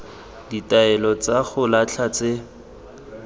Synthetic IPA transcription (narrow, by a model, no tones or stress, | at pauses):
ditaɛlɔt͡saɣʊlat͡ɬʰat͡se